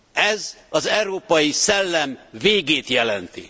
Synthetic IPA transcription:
ɛzɒzɛɾoːpɒjisɛlːɛmveːɡeːt̪jɛlɛnt̪ḭ

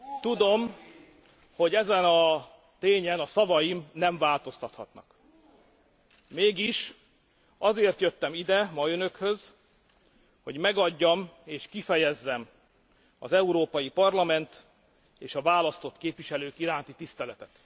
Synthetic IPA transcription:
t̪ud̪o̞m | ho̞ɟɛzɛnɒ | t̪eːɲɛnɒsɒvɒjimnɛɱvaːlt̪o̞st̪ɒt̪hɒt̪nɒ̰k | meːɡiʃ | ɒzeːrt̪jøt̪ːɛmid̪ɛmɒønø̞khø̞z | ho̞ɟmɛɡɒɟːɒmeːʃkifɛjɛzːɛm | ɒzɛuɾoːpɒjipɒrlɒmɛnt̪ | eːʃɒvaːlɒst̪o̞t̪keːpvʋiʃɛløːkiɾaːnt̪it̪ist̪ɛlɛt̪ɛt̪

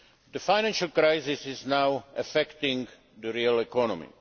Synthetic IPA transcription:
d̪əfajnãnʃalkɾajzɪsɪznawafɛkt̪ɪ̃ŋɡ | d̪əɾiəlɛkɔnɔ̃mḭ

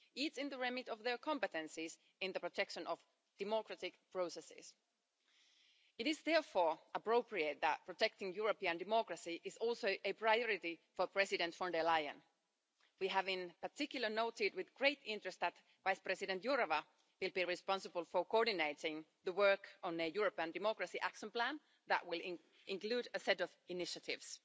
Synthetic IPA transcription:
itsɪ̃nðəɹɛmɪtɔvðə˞kʰɔ̃mpət̪ɛ̃nsɪs | ɪ̃nðəpɹɔt̪ʰɛkʃə̃nɔf | d̥ɛmɔkɹatɪkpɹ̥oʊsɛsɪ̰s | ɪtɪzðɛɹfɔːɹəpɹoʊpɹieɪt̪̚ðæt̚pʰɹ̥ɔt̪ɛk̚tɪ̃ŋjuɹəpiə̃ndɪmɔkɹəsiʔɪzɔlˠsoʊʔəpɹajɔɹɪtifəpʰɹɛsɪdɛ̃ntfɔ̃ndɛlaɪə̰̃n | wiːɦævɪ̃npətɪkjʊl̩ˠə˞noʊtɪd̚wɪðɡɹeɪtɪ̃ntɹ̥ɨst̪̚ðæt̪ | vaɪspɹɛsɪdɛ̃ntjɔɹəva | wɪlˠbiɹɪspɑ̃nsəbəl̩ˠfəkoɔɹdɪneɪtɪ̃ŋðəwɜ˞kə̃nɨjuɹəpiə̃ndɪmɔkɹəsiʔækʃə̃nplæ̃n | ðæ̰ʔwɪlˠ | ʔɪ̃ŋklʉːdəsɛtɔvɪnɪʃətɪ̰vs

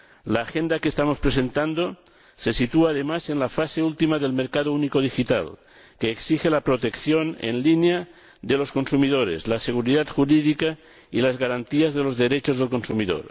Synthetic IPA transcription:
laːxend̪akeːst̪amo̞spɾesent̪and̪o | se̞sit̪uaːð̞emasenlafaseult̪imaðelmeɾkaðounikoð̞ixit̪a̰l | keːksixelapɾot̪ekθjonḛnlinja | ðelo̞sko̞nsumiðoɾḛzlaseɣ̞uɾiðat̪xuɾiðika | ilazɣaɾant̪iazðelo̞zðe̞ɾet͡ʃo̞zð̞elko̞nsumiðo̰ɾ

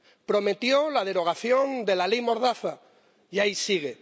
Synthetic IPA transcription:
pɾo̞me̞t̪jolað̞e̞ɾo̞ɣ̞aθjo̞nd̪e̞lalejmo̞ɾðaθa | ʝaisiɣ̞e

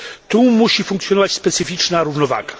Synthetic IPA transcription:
t̪ũmuʃifũŋksjonaspɛsifit͡ʃnaɾuvnova̰ɡɐ

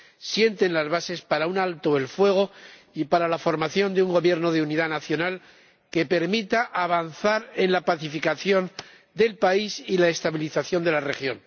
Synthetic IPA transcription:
sje̞nt̪e̞nlazβase̞spaɾaunalt̪o̞elfwe̞ɣ̞o̞ | ipaɾalafo̞ɾmaθjo̞nd̪euŋɡo̞βje̞ɾno̞ð̞euniðanaθjo̞nal | ke̞pe̞ɾmit̪aʔaβ̞anθaɾe̞nlapaθifikaθjo̞n | d̪e̞lpaisilaest̪aβiliθaθjo̞nd̪e̞lare̞xjo̞n

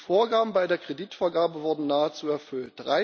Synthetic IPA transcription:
foːɐɡaːbm̩baɪdeːɐkʁ̥ediːtfoːɐɡaːbəvʊɐdn̩naːət͡suːɛɐfʏltd̥ʁaɪ

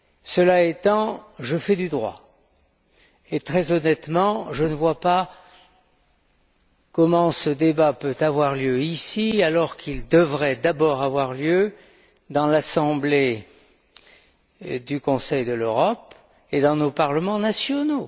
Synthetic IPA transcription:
səlaet̪ɑ̃ʒəfɛd̪yd̪ʁwa̰ | et̪χɛzɔnɛt̪mɑ̃ʒənəvwapa | kɔmɑ̃səd̪ebapøt̪avwaʁljøisialɔʁkʰild̪əvʁɛd̪abɔʁavwaʁljø | d̪ɑ̃lasɑ̃ble | d̪ykɔ̃sɛjd̪əløʁɔp | ed̪ɑ̃nopaʁləmɑ̃nasjɔno

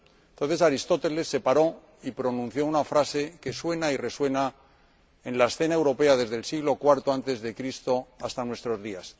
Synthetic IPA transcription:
ent̪on̟θe̞saɾist̪o̞t̪e̞le̞sːe̞paɾo̞ | ipɾo̞nũn̟θjo̞unafɾase̞ke̞swe̞naire̞swe̞na | e̞nlaesθe̞nae̞wɾo̞peaðe̞zðe̞lsiɣlo̞kwaɾt̪oant̪e̞zðe̞kɾist̪o̞ast̪anwe̞st̪ɾo̞zðias

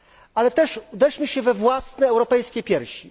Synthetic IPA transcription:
alɛt̪ɛʂud̪ɛʂmʲiɕɛvɛvwasnɛːwɾɔpɛjskʲepʲjɛɾɕi

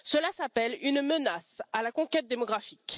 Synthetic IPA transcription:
səlasapɛlynmənasalakɔ̃kʲɛt̪̚d̪emɔɡʁafik

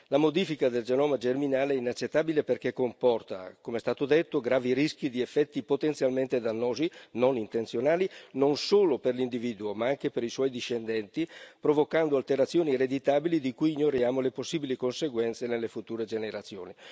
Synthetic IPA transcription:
lamod̪ifikad̪eld͡ʒenɔːmad͡ʒerminaːleɛinat͡ʃːet̪ːaːbileperkekːompɔrt̪a̰komeɛst̪aːt̪od̪et̪ːoɡɾaːviɾisk̟id̪iefːɛt̪ːipot̪ent̪sjalment̪ed̪anːoːzinonint̪ent̪sjonaːlinonsoːloperlind̪iviːd̪uomaaŋkepeɾiswɔjd̪iʃːend̪ɛnt̪ipɾovokand̪oalt̪eɾat̪sːjoːnired̪it̪aːbilid̪ikujiɲːoɾjaːmoleposːiːbilikonseɡwɛnt̪senelːefut̪uːɾed͡ʒeneɾat̪sːjo̰ːni

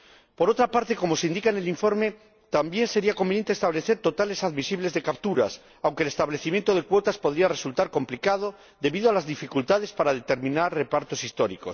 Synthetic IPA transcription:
po̞ɾo̞t̪ɾapaɾt̪e̞ko̞mo̞seind̪ikaene̞liɱfo̞ɾme̞ | t̪ambje̞nse̞ɾiakombenjent̪eːst̪aβle̞θeɾt̪o̞t̪ale̞saðmisiβlezðe̞kapt̪uɾa̰s | awŋkelest̪aβle̞θimje̞nt̪o̞ð̞e̞kwo̞t̪aspo̞ðɾiare̞sult̪aɾko̞mplikað̞o̞ | ðe̞βiðo̞alazðifikult̪að̞e̞spaɾaðe̞t̪e̞ɾmĩnaɾre̞paɾt̪o̞sist̪o̞ɾiko̞̰s

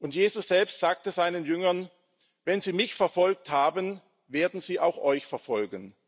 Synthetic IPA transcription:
ʔʊntjeːzʊsz̥ɛlpstz̥aːk̚təzaɪnənjʏŋɐn | vɛnziːmɪçfɛɐfɔlk̚thaːbən | veːɐdn̩ziːʔaʊxʔɔʏçfɛɐfɔlɡən

